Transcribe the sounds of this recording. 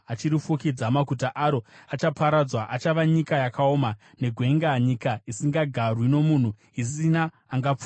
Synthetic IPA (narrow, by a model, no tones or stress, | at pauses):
at͡ʃiɾifukid͡zamakutaʔaɾo̞at͡ʃapaɾad͡zwaʔat͡ʃaʋaɲikajakʰaoːma | ne̞ɡʱwe̞ŋɡaɲikaisiŋɡaɡʱarwino̞mun̤u | isinaː | ŋɡap͡fu